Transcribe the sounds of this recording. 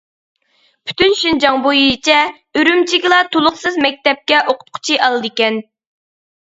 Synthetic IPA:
pʰy̥t̪ynʃind͡ʒɑŋbojijt͡ʃʰɛ | øɾymt͡ʃʰiɡʲilˠɑt̪ʰolˠʊχsɨzmɛk̚ʲt̪ɛp̚kʲɛʔoqʰʊ̥t̪̚qʰʊ̥t͡ʃʰiʔɑlˠɨd̪ɪkʲɛn

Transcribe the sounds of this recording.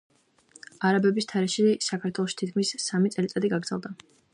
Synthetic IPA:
aɾabɛbist̪ʰaɾɛʃisakʰaɾt̪ʰwɛlˠɔʃi̥t̪ʰit̪kʰmisːamit̪sʼɛlit̪sʼad̪iɡaɡɾdzɛ̰lˠd̪a

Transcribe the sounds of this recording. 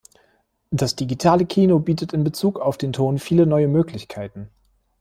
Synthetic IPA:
d̥asd̥iɡitʰaːləkʰiːnobiːtətɪnbət͡suːkaʊfd̥eːntʰoːnfiːlənɔʏəmøːklɪçkʰaɪtn̩

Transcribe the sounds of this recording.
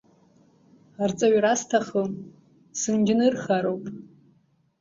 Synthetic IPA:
art͡sʼaɥrastʰaχəm | sɨnd͡ʒɪnɨrχaɾowpʼ

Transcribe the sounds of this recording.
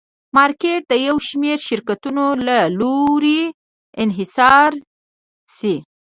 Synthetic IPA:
mɑɾkeʈ̚d̪əjawʃmeɾʃɪɾkat̪unolaloɾi | ɪnɦɪsɑɾ | si

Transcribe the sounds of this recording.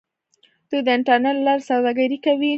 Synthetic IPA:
t̪ud̪əɪɳʈaɾneʈlaɾsawd̪aɡaɾikawi

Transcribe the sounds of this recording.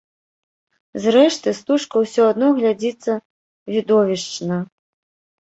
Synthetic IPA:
zɾɛʂt̪ɨst̪uʂkɐwsʲɔad̪nɔɣlʲad͡zʲit̪sːɐ | vʲid̪ɔvʲiʂt͡ʂnɐ

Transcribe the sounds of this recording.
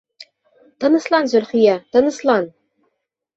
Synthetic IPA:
t̪ɤ̆nɤ̆slˠɑnzɵ̆lʲχijɑt̪ɤ̆nɤ̆slˠɑn

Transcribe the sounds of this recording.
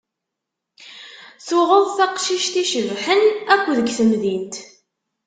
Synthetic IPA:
θʊʁəðˤθɑqʃiʃt̪iʃəvħənækʷːðəɡθəmðint̪

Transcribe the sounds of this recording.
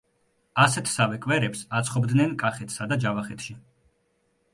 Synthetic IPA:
asɛt̪ʰsavɛkʼvɛɾɛpsat̪sʰχɔbd̪nɛnkʼaχɛt̪ʰsad̪ad͡ʒavaχɛt̪ʰʃi

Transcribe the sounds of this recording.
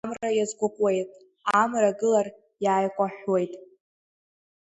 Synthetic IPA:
mrajazɡʷʊqʷʼwejtʼ | amraɡɨlar | jaːjkʷʼaħwe̞jtʼ

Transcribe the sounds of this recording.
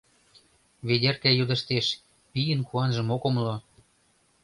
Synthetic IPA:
βedʲerkæjud̪ə̆ʃt̪eʃ | pijənkuɑnʒə̆mokomlo

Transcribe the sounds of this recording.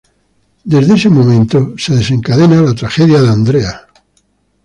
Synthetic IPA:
d̪ezðeesemõmẽnt̪oseðesẽ̞ŋkaðenalat̪ɾaxeðjaðand̪ɾea

